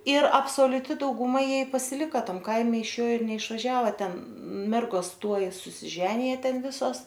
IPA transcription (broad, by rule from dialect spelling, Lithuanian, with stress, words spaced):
ɪr ɐpsoːlʲʊˈtʲɪ dɐʊɡʊˈmɐ ˈjiɛ ɪ pɐsʲɪˈlʲɪkɐ ˈtɐm ˈkɐɪmʲɛ ɪʃ ˈjoː ɪr nʲɛɪʃʋɐˈʒʲæːʋɐ ˈtʲɛn ˈmʲɛrɡoːs ˈtuɔj sʊsʲɪˈʒʲæːnʲɪjɛ ˈtʲɛn ˈʋʲɪsoːs